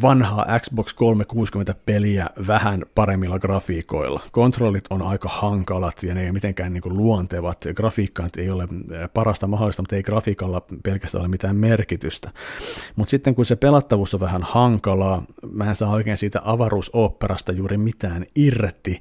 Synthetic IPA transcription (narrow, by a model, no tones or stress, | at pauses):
ʋɑnhɑːʔæksbokskolmekuːskyment̪æpeliæʋæhænpɑɾemːilːɑɡ̥rɑfiːko̞̰ilːɑ̰kont̪rolːit̪onɑikɑhɑŋkɑlɑt̪jɑneijomit̪eŋkæːnniːŋkulluont̪eʋɑt̪ɡ̥rɑfiːkːɑnet̪ejolepɑɾɑst̪ɑmɑɦolːˑist̪ɑmut̪eiɡ̥rɑfiːkɑlːɑpelkæst̪æ̰oemit̪æːmmerkit̪yst̪æmut̪sit̪ːeŋkunsepelɑt̪ːɑʋuːsːoʋʋæhænhɑŋkɑlɑːmæːensɑːoikeːnsiːt̪æ̰ʔɑʋɑruːsoːpːerɑst̪ɑjuːɾimit̪æːnirt̪i